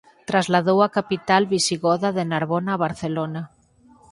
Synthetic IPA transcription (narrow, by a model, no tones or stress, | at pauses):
t̪ɾazlað̞owakapit̪alβisiɣoðaðenaɾβonaːβ̞aɾθelona